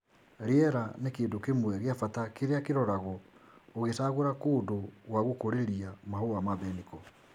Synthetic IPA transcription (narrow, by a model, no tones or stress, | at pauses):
ɾeɛɾanekeːndokemwɛɣeafatakeɾeakeɾɔɾaɣɔoɣesaɣoɾakoːdoɣwaɣukoɾeɾiamaɦoamaβɛnikɔ